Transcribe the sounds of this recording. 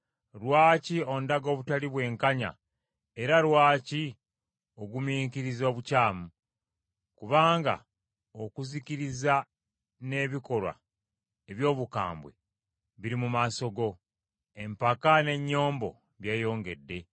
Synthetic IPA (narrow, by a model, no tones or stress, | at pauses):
ɾwaːcio̞ndaɡo̞ːβutaliβwe̞ːŋkaɲa̰ | e̞ɾaɾwaːci | o̞ɡumiːkiɾizo̞ːβucaːmu | kuβaːŋɡa̰ | okuziciɾiza | ne̞ːβiko̞lwa̰ | eβjo̞ːβuka̰ːmbwe̞̰ | βiɾimumaso̞ɡo̞ | e̞mpakane̞ɲːo̞ːmbo̞̰ | βjeːjo̞ːŋɡe̞dːe̞